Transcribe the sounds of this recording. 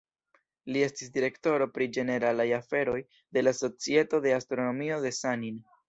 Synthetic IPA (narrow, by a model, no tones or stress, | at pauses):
lie̞stisdiɾe̞kto̞ɾo̞pɾid͡ʒe̞ne̞ɾalajafe̞ɾo̞j | de̞laso̞t͡sie̞to̞de̞astɾo̞no̞mio̞de̞sanin